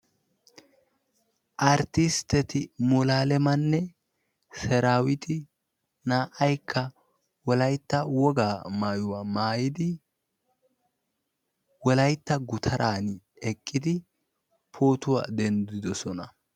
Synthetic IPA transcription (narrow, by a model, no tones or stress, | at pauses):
ʔɐɾt̪ɪst̪ɛt̪ɪmɔlaːlɛmɐnːɛ | sɛɾaːwɪt̪ʰɪ | naːʔɐjkʰːɐ | wɔlɐjt̪ːɐwɔɡaːmaːjʊwaːmaːjɪd̪ɪ | wɔlɐjt̪ːɐɡʊt̪ʰɐɾʔaːn | ɛkʼːɪd̪ɪ | pʰo̞ːt̪ʊwa̰ːd̪ɛnd̪ɪd̪ɔsɔnɐ